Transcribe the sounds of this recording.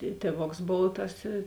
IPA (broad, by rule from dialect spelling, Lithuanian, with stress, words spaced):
ɪ ˈtʲeːˌʋoːks ˈboːw tɐs ɪ